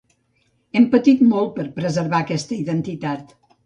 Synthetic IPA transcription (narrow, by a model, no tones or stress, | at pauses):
ɛmpət̪it̪mɔlˠt̪̚pəɾpɾəzəɾβaəkɛst̪əiðənt̪it̪at̪